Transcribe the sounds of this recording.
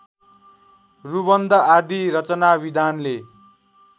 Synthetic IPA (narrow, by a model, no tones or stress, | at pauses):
rubʌnd̪ʱʌad̪ʱiɾʌt͡sʌnabid̪ʱanle